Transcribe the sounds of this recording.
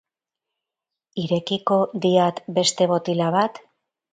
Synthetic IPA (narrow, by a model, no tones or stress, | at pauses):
iɾe̞kiko̞d̪iat̪be̞st̪e̞βo̞t̪ilaβat̪